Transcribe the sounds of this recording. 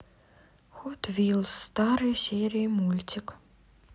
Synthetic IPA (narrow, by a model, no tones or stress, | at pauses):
xɔt̪vʲilˠst̪ɑɾɨjsʲeɾʲɪmulʲt̪ʲɪk